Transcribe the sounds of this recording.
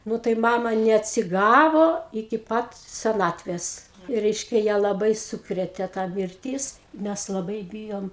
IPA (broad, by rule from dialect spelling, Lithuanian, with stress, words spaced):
ˈnʊ tɐɪ ˈmɑːmɐ nʲɛɐtʲsʲɪˈɡɑːʋoː ɪkʲɪ ˈpɐt sʲɛˈnɑːtʲʋʲeːs ˈrʲɛɪʃʲkʲɛ jæː lˠɐˈbɐɪ ˈsuːkrʲeːtʲeː tɐ mʲɪrʲˈtʲiːs ˈmʲæs lˠɐˈbɐɪ ˈbʲiːjoːm